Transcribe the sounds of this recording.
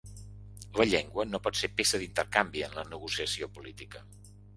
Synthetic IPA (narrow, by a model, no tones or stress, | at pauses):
ləʎɛŋɡwənopɔt̪sepesəðint̪əɾkambiənlənəɣusiəsiopulit̪ikə